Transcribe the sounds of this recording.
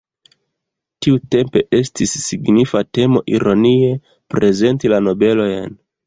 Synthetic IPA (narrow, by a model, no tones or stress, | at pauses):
tiute̞mpe̞ʔe̞stisːiɡnifate̞mo̞̰ʔiɾo̞nie | pɾʔe̞ze̞ntilano̞be̞lo̞jn